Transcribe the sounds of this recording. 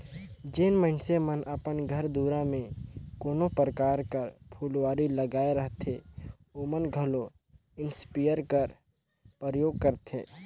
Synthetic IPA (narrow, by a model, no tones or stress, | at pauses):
d͡ʒeːnmənsemənʔəpənɡʱəɾd̪uːɾãmẽkoːnopɾəkaːɾkəɾpʰulʋaːɾiləɡaːeɾəɦt̪e | oːmənɡʱəlo | ɪnspijəɾkəɾ | pəɾəjoːɡ̚kəɾt̪ɦḛː